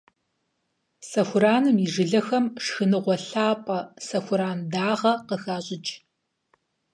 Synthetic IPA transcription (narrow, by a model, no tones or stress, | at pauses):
sɐxʷʊɾaːnɨmiʐɨɮɐxɐmʂxɨnɨʁʷɔɬaːpʼɐsɐxʷʊɾaːndaːʁɐqəxaːɕʼɪt͡ʃʼ